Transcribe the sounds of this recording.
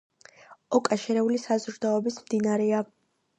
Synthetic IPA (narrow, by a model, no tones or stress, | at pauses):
ɔkʼaʃɛɾɛulisazɾd̪aɔbismd̪inaɾɛa